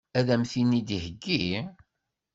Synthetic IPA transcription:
æðæmθinid̪ihəɡːi

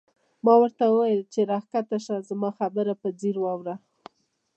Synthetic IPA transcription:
mɑwəɾt̪awəwajəlt͡ʃeɾɑxkat̪aʃazmɑxabəɾapəd͡ziɾwɑwɾa

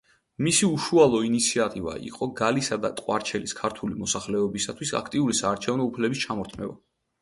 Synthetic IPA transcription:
misiuʃualˠɔinit̪sʰiat̪ʼiva̰ḭqʼɔɡalisad̪a̰t̪ʼqʼwaɾt͡ʃʰɛliskʰaɾt̪ʰulimɔsaχlɛɔbisat̪ʰwisa̰kʰt̪ʼiuɾisaːɾt͡ʃʰɛvnɔupʰlɛbist͡ʃʰamɔɾt̪ʰmɛ̰ba̰

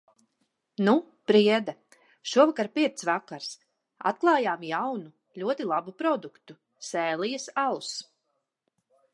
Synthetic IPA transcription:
nu | pɾiɛd̪a | ʃuɔvakaɾpiɛt̪svakaɾs | a̰t̪̚klˠɑːjaːmjawnu | lʲuɔt̪ilˠabupɾɔd̪ukt̪u | sɛːlˠijɐsalˠus

